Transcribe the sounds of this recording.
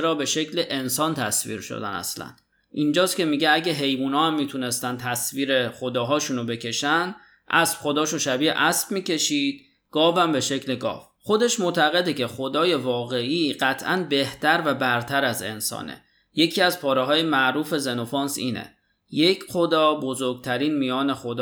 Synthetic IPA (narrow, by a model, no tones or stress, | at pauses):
t͡ʃʰeɾɒːbe̞ʃe̞cʰleʔensɒːnt̪ʰæsvḭːɾʃo̰d̪æ̰næ̰slæ̰n | ʔind͡ʒɒːscʲe̞miɟeæɟeɦe̞jbuːnɒːhæmːiːt̪ʰune̞st̪ænt̪ʰæsviːɾe̞χod̪ɒːɦɒːʃunobe̞cʰe̞ʃæn | ʔæsb̥χo̞d̪ɒːʃunʃæbiːḛʔæsb̥miːcʰe̞ʃiːd̪̚ | ɡ̥ɒːvæmbe̞ʃecʰleɡɒ̰ːv | χo̞d̪e̞ʃmoʔt̪ʰæɣe̞d̪ecʰe̞χo̞d̪ɒːje̞vɒːɣe̞ʔiːɢ̥æt̪ʰʔænbe̞ht̪ʰæɾvæbæɾt̪ʰæɾæze̞̰nsɒ̰ːnḛ | je̞cʰiːæzpʰɒːɾeɦɒːje̞mæʔɾuːfe̞zeno̞fɒːnsḭːnḛ | je̞cʰχo̞d̪ɒːbo̞zoɾɡ̚t̪ʰæɾiːnmijɒːne̞xo̞d̪ɒ